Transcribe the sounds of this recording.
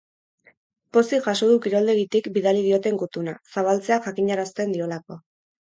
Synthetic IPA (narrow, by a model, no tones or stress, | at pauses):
po̞siʝaso̞ðukiɾo̞ld̪e̞ɣit̪ikbiðalið̞io̞t̪e̞ŋɡut̪unasaβ̞alt͡se̞aʝakiɲaɾast̪e̞nd̪io̞lako̞